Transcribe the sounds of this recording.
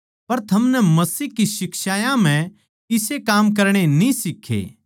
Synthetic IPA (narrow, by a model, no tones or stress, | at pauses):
pɐɾt̪ʰɐmnɛmɐsiːɦkisɪkʃaːjãm̤ɛ̃ | ɪsekaːmk̬ɐɾɽ̃enĩsɪkʰːḛː